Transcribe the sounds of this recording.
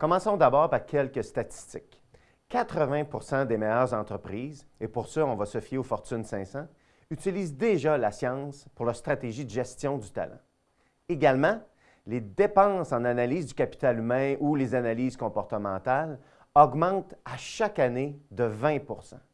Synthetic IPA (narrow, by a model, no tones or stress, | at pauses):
kɔmɑ̃sɔ̃d̪abɑːʁpaʁkʲʰɛlkəst̪at̪i̥st̪ɪk | kːat̪ʁəvɛ̃puʁsɑ̃d̪emɛjœːʁzɑ̃t̪ʁəpʁiːz | epʊʁsœɔ̃vasəfjeofɔʁt̪ynsɛ̃sã | yt͡siliːzd̪eʒalasjɑ̃spʊʁlast̪ʁat̪eʒid̪əʒɛst̪jɔ̃d̪yt̪a̰lã̰ | eɡalmɑ̃ | led̪epɑ̃sɑ̃nanaliːzd̪ykʲapi̥t̪alymɛ̃ʔulezanaliːz̥kɔ̃pɔʁt̪əmɑ̃ːt̪al | ɔɡmɑ̃t̪aʃakaned̪əvɛ̃puʁsã̰